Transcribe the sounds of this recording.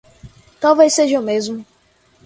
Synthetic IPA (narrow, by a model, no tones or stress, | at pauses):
t̪awvejseʒɐomezmʊ